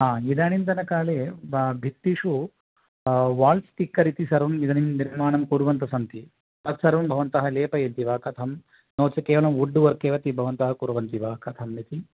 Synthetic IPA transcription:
ɦaːid̪aːɳint̪ɐnɐkaːleːbbʱit̪ːiʂu | ʋaːlst̪ikːɐɾit̪isɐɾʋɐmid̪ɐnimniɾmaːɳɐmkuːɾuʋɐnt̪ɐsɐnt̪i | p̪ɐt̪sɐɾʋɐnbʱɐʋɐnt̪ɐɦɐleːpɐjɐnt̪iʋaːkɐt̪ʰɐm | noːt͡ʃɐkeːʋɐɭɐmuɖːuʋɐɾkeːʋɐt̪ibʱɐʋɐnt̪ɐɦɐkuɾuʋɐnt̪iʋaːkɐt̪ʰɐmnit̪i

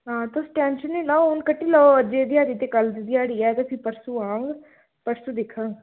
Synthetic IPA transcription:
ɦãːt̪osʈɛ̃ːnʃənːiːlaoʊnkəʈːiːləoəd͡ʒeːd̪ɪjaːɾiːt̪ekəld̪id̪ɪjaːɽiːɛːt̪esipəɾsuːãːŋɡ | pəɾsuːd̪ɪkʰə̃ɡ

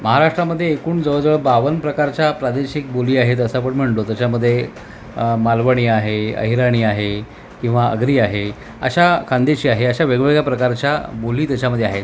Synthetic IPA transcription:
məɦaɾaʂʈɾaməd̪ʱːjeːkuːɳd͡zəʋəɭd͡zəʋəbaʋənpɾəkaɾt͡ɕjapɾad̪eɕik̚boliːaɦet̪əsap̬əɳm̤əɳt̪ot̪jat͡ɕaməd̪ʱːje | malʋəɽ̃iːaɦeə̰ɦiɾaɽ̃iːaɦe | kĩw̃ʋaə̰ɡɾiːaɦe | ə̰ɕakʰãnd̪eɕiːaɦeəɕaʋeɡʋeɡjapɾəkaɾt͡ɕjaboliːt̪jat͡ɕaməd̪ʱːjeaɦet̪

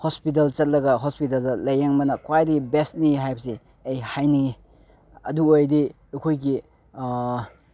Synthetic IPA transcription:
hɔspit̬ɐlt͡ʃɐt̚lɐɡɐɦɔspit̬ɐldɐlɐjaŋmɐnɐkwajtɡibest̚niɦajp̚se | ejhajniɡi | ɐduojdi | ɐkʰojɡi

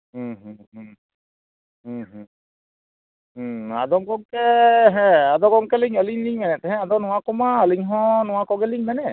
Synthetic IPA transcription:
ɦ̩ɦɦ | ɦ | a̰d̪ɔŋɡɔŋkeɦɛ̃ad̪ɔɡɔŋkeliŋəliɲliŋmɛnɛt̪ɛɦɛ̃ad̪ɔnuwakɔmaəliŋɦɔ̃nuwakɔɡɛliŋmɛnɛ

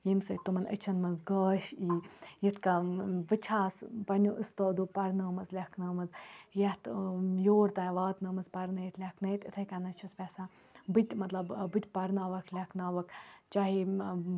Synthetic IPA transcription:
jimsɐt̪umɐnə̰t͡ʃʰɐnmɐnzɡəːʃiːjit̪kaʋɨt͡ʃʰaːspɐnʲuʔɨst̪oːd̪upɐɾnəːmɐzlʲɐkʰnɐːmɐzjɐht̪joːɾt̪ãːʋaːt̪nɐːmɐzpɐɾnɐjit̪ʰlʲɐkʰnɐjt̪it̪ʰɐkanɐt͡ʃʰɐspʲɛsa | bɨt̪ʲmɐt̪lɐbbɨt̪ʲpɐɾnaːʋɐkʰlʲɐkʰnaːʋɐkt͡ʃaːɦi

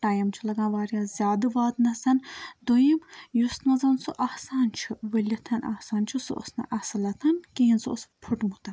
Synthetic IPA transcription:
ʈaːjɐmt͡ʃʰilɐɡãːʋaːɾjaːzʲjaːd̪ɨʋaːt̪nɐsɐnd̪ojimjust̪nɐzɐnsuʔɐhsaːnt͡ʃʰiʋɐlʲit̪ʰɐnʔɐ̰hsaːnt͡ʃʰisṵʔo̰snɐ̰ʔɐsɐlɐt̪ʰɐnkiɦinsuospʰuʈmut̪ɐn

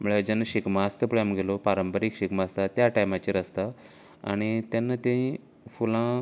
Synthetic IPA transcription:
m̤uɭed͡ʑanːaɕikmast̪əpɭamɡʱelopaɾəmpəɾiːkɕikmaːst̪at̪jaʈajmat͡ɕiɾəst̪a | a̰ɽ̃it̪janːat̪ẽĩ | fulã

